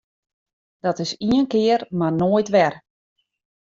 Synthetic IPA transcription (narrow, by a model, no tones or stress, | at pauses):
d̥ɔtɪsiənkɪərmarnoːəjtʋɛr